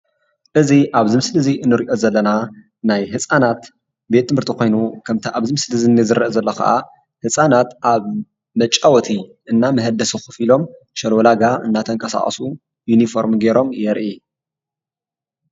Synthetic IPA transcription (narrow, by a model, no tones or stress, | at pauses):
ʔɨziʔaβzɨmɨslɨziʔɨnːɨɾiʔo̞zɐlːɐna | najɦɨsʼanat̪ | bet̪ʰːɨmhɨɾt̪ʰikʰo̞jnukʰɐmt̪ʰiʔaβzɨmɨslɨzinːizɨɾɐʔzɐlːɐkʰɐ̰ʔa̰ | hɨsʼanat̪ʔaβ | mɐt͡ʃʼːawɔt̪ʰiʔɨnːamɐɦɐd̪ɐsɨxɨ̥filo̞m | ʃɐlwɔlaɡaʔɨ̰nːat̪ʰɐŋkʼɐsa̰χʼɐ̰su | junifo̞ɾmɡeɾo̞mjɛɾʔi